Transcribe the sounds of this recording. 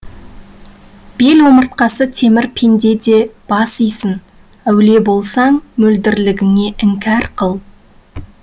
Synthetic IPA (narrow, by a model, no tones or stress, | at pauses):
b̥e̞lwo̞məɾt̪̚qɑsət̪ʰe̞mɪɾpʰend̪e̞d̪e̞b̥ɑsijsən | æwle̞bo̞lˠsɑŋmɵld̪ɪɾlɪɡʲɪŋe̞ʔɪŋkʲæɾqʰəlˠ